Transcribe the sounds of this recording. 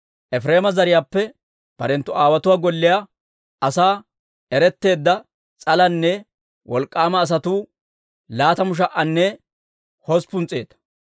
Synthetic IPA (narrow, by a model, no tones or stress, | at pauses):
ʔɛfɾe̞ːmɐzɐɾɪjaːpːɛ | b̥ɐ̰ɾɛnt̪ːʊaːwɐt̪ʊwaːɡɔlːɪja | ɐsaː | ɛɾɛt̪ːe̞ːd̪ːɐ | t͡sʼɐlɐnːɛ | wɔlkʼːaːmɐːs̬ɐt̪uː | laːt̪ɐmʊʃ̬ɐʔɐnːɛ | hɔspʊnt͡sʼːe̞̰ːt̪ɐ̥